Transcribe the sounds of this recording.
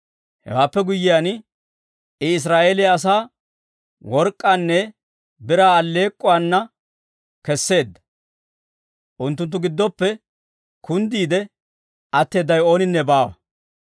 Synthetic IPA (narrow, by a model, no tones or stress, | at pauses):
hɛ̰waːpːɛɡʊjːɪjan | ɪɪs̬ɾaːʔeːlɪjaːs̬aː | wɔɾkʼːanːɛ | bɪɾaːlːe̞ːkʼːʊwaːnːɐ | kɛsːe̞ːd̪ːɐ̥ | ʔʊnt̪̬ːʊnt̪ːʊɡɪd̪ːɔpːɛ | kʊnd̪iːd̪ɛ | ɐt̪ːe̞ːd̪ːɐjo̞ːnɪnːɛbaːwɐ̰